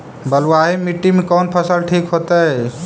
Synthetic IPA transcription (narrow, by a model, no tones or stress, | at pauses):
bəlaɦimiʈːimekɔnpʰəsəlʈʰikɦot̪ə